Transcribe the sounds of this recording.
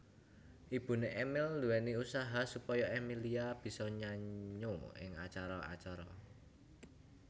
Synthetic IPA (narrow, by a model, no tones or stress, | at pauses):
ʔib̥ṳneʔɛmɪlːuwɛniusaɦasupɔjɔʔɛmiliab̥i̤sɔɲaɲoɪ̰ŋa̰t͡ʃaɾɔa̰t͡ʃaɾɔ